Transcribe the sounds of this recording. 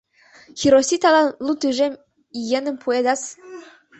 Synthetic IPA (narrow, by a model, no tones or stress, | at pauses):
xʲiɾosʲit̪ɑlˠɑlˠut̪yʒem | ijenɘ̆mpʰued̪ɑs